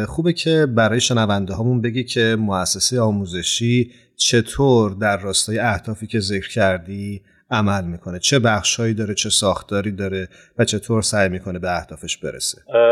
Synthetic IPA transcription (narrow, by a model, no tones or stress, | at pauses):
χuːbecʰe̞bæɾɒːjeʃe̞nævænd̪eɦɒːmunbe̞ɟicʲʰe̞moæsːesejeɒːmuːze̞ʃiː | t͡ʃʰe̞t̪ʰoːɾd̪æɾːɒːst̪ɒːjeæhd̪̥ɒːfiːcʲʰe̞zecʰɾcʰæɾd̪i | æmælmiːkʰo̞ne̞t͡ʃʰe̞bæχʃhɒːjiːd̪ɒːɾet͡ʃʰe̞sɒːxt̪ʰɒːɾiːd̪ɒːɾe̞ | væt͡ʃʰe̞t̪ʰoːɾsæjmiːkʰo̞ne̞beæhd̪̥ɒːfe̞ʃb̥e̞̰ɾḛse̥